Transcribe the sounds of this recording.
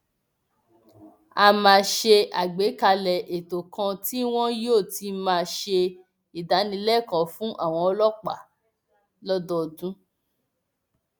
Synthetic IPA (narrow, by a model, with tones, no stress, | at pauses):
a˧mãː˧ʃe˧a̰˨ɡ͡be˨˦ka˧lɛ˨ʔe˨to˨kʰã˧ti˦w̃ɔ̃˦joː˦˨ti˧mãː˧ʃe˧ | i˨da˨˦nĩ˧˦lɛ˦˨kã˨fũ˦ʔa̰˦˨w̃ɔ̃˧ɔ˧lɔ˦k͡pa̰˨ | lɔ˦dɔ˦˨dũ˦